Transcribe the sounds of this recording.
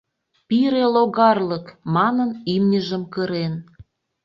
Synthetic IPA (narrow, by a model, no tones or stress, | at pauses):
piɾeloɣɑrləkmɑnənimnʲəʒəmkəɾen